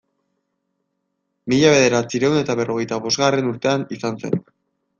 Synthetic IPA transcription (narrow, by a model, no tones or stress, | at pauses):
miʎaβe̞ðe̞ɾat͡siɾe̞wne̞t̪aβ̞e̞ro̞ɣ̞e̞jt̪aβo̞zɣare̞nuɾt̪e̞anisanse̞̰n